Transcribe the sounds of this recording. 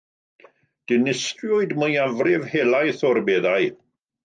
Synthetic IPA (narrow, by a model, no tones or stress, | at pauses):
d̥ɪnɪstrjɔɨdməjavrɪvhelˠajθɔrbeːðaɨ